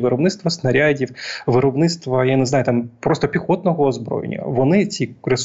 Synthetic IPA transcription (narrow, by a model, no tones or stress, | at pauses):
ʋɨɾɔbnɪt̪t̪ʋɐsnɐɾʲadʲifʋɨɾɔbnɪt̪st̪ʋɐjanɛznajʊt̪ampɾst̪ɔpʲixot̪nɔɣɔːzbɾo̰jḛnʲɐ̰ʋɔnɪt͡sʲiɾɪs